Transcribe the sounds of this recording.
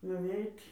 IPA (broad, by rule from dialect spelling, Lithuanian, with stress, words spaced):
nʊˈʋʲɛɪtʲ